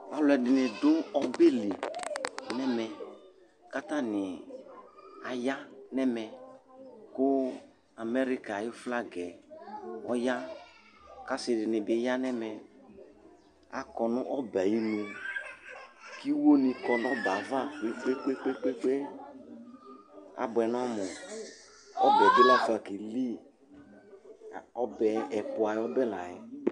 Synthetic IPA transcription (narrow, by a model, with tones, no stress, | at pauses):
a˨lɛ˨dɪ˨nɪ˨dʊ˦ɔ˦be˦li˨ | nɛ˦mɛ˨ | ka˦ta˦nɪ˨ | a˨ja˦nɛ˦mɛ˨ | kʊ˦ | a˨mɛ˦ɾi˦ka˨jɪ˦fla˦ɡɛ˨ | ɔ˦ja˦ | ka˦sɪ˨dɪ˨nɪ˨bɪ˨˦ja˦nɛ˦mɛ˨ | a̰˦kɔ˨nʊ˦ʔɔ˦ba˨ji˦ni˨ | ki˦wo˦ni˧kɔ˨n˦ɔ˦ba˨va˦k͡pe˦k͡pe˦k͡pe˦k͡pe˦k͡pe˦k͡pe˦ | a̰˨bɛ˨n˦a˦mʊ˨ | ɔ̰˦bɛ˨de˦la˦˨fa˨ki˨li˦˨ | ɔ˦bɛ˨ɛ˨pʊ˨a˨jɛ˨˦ɔ˦bɛ˦la˨ɛ˨˦